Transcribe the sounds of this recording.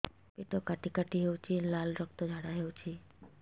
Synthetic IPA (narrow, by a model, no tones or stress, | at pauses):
peʈokaʈikaʈiɦewt͡ʃʰilalɾɔk̚t̪od͡ʒʱaɽaɦewt͡ʃʰi